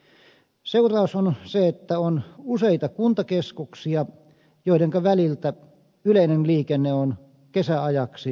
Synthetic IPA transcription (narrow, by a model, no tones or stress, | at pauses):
seurɑˑusonseet̪ːæonuseit̪ɑkunt̪ɑkeskuksiɑ | joˑideŋkɑʋælilt̪æ | yleinenliːkenːeon | kesæɑjɑksi